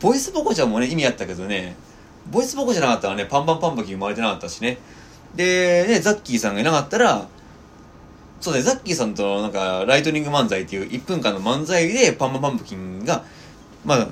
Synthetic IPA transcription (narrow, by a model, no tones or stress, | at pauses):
b̥o̞isɨbokot͡ɕãmːo̞ne̞imʲiat̪ːake̞d̪o̞ne̞ | bo̞isɨbokoʑanakat̪ːaɾane̞pãmpãmpãmpɯ̟kʲĩŋomaaɾet̪enakat̪ːaɕi̥ne̞ | d̪e̞ne̞zakʲːiːsãŋɡainakat̪ːaɾa | so̞ːd̪aneakʲːiːsãnt̪o̞nãŋkaɾait̪o̞ɾʲĩŋɡɯ̟mãnzait̪ːe̞jɯ̟ːʔipːɯ̃ŋkãnːo̞mãnzaid̪e̞pãmpampãmpɯ̟̥kʲĩŋɡa | maa